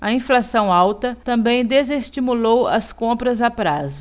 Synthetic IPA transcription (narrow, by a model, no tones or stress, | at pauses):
ɐĩflasɐ̃w̃awt̪ɐt̪ɐ̃bẽj̃d̪ezest͡ʃimulowɐskõpɾɐzapɾazʊ